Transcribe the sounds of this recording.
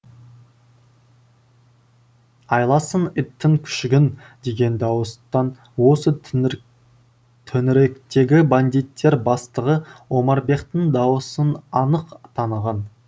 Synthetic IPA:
ɑjlˠɑsənɪt̪ːɪŋkʲʰʏ̥ʃɡʲɪn | d̪e̞ɡʲe̞nd̪ɑwəst̪ɑn | wo̞sə | t̪ʰɵnɪɾekt̪e̞ɡʲɪband̪ijt̪ʰːe̞ɾbɑst̪əʁəwo̞mɑɾbe̞qt̪əɴd̪ɑwəsənɑnəqt̪ʰɑnəʁɑn

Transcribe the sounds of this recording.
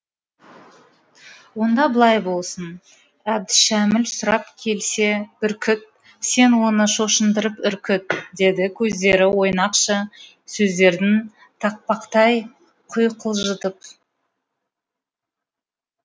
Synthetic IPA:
wo̞nd̪ɑbəlˠɑjbo̞lˠsən | æb̚d̪ɪʃæmɪlsʊɾɑpkʲʰe̞lse̞b̥ɪɾkʲʰʏt̪̚ | se̞nwo̞nəʃo̞ʃənd̪əɾəpʏɾkʲɪt̪̚d̪e̞d̪ɪkʲʰɵzd̪e̞ɾɪwo̞jnɑqʃə | sɵzd̪e̞ɾd̪ɪn | t̪ʰɑq̚pɑqt̪ɑj | qʰʊjqʰəlˠʒət̪əp̚

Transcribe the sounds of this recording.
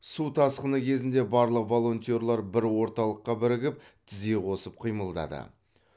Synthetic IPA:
sut̪ʰɑsqənəkʲʰe̞zɪnd̪e̞bɑɾlˠəqvo̞lˠo̞nt̪io̞ɾlˠɑɾbɪɾwo̞ɾt̪ɑlˠəqːɑbɪɾɪɡʲɪp̚t̪ʰɪzɡʲe̞qʰo̞səp̚qʰijməlˠd̪ɑ̰d̪ə̰

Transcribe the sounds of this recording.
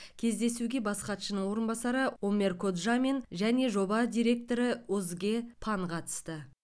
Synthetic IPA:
kʲʰe̞zd̪e̞suɡʲe̞bɑsqɑt̪ʃənəɴwo̞ɾənbɑsɑɾəomʲe̞rkʰod̪ʒame̞nʒæne̞ʒo̞bɑd̪ʲijɾe̞k̚t̪o̞ɾəɵzɡʲe̞pʰɑɴqʰɑt̪ə̥st̪ə

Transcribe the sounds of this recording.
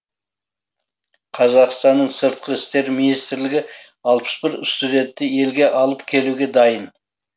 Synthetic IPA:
qʰɑzɑqst̪ɑnːəɴsəɾt̪̚qəɪst̪e̞ɾminijst̪ɪɾlɪɡʲɪɑlˠpə̥sbɪɾɪst̪ud̪e̞nt̪ːɪje̞lɡʲe̞ʔɑlˠəpkʲʰe̞luɡʲe̞d̪ɑjən

